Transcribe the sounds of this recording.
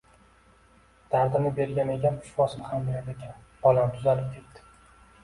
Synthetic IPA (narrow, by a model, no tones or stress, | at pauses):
d̪̥aɾd̪ɪnɪbe̞ɾɡʲaneɡʲanpʰʊ̥ʃvɒsɪnɪhambjeɾd̪ekʲʰan | b̥ɒlˠant̪ʰʊzalɪp̚kʲʰekt̪ɪ̥